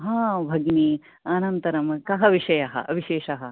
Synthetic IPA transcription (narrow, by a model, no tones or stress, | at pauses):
ɦãːbʱɐɡniː | ɐnɐnt̪ɐɾɐmkɐɦɐʋiʂɐjɐɦɐ̰ʔɐʋiʃeːʃɐɦɐ